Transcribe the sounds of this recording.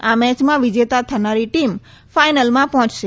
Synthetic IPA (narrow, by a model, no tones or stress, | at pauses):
amɛt͡ʃmãʋid͡ʒet̪at̪ʰənaɾiʈim | fajnəlmãpɔɦɔ̃t͡ʃʃe